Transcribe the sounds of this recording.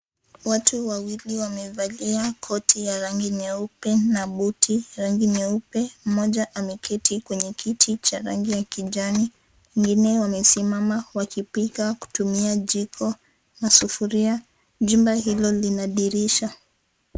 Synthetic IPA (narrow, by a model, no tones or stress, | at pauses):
watʰuwawiliwamɛvaliakʰɔtʰijaɾaŋɡiɲɛupɛnaɓutʰiɾaŋɡiɲɛupɛm̩mɔʄaʔamɛkʰɛtʰikwɛɲɛkʰitʰit͡ʃaɾa̰ŋɡijakiʄani | wɛŋɡinɛwamɛsimamawakipikaku̥tumiaʄikʰɔ | nasufuɾia | ʄumbahilɔlinaɗiɾiʃa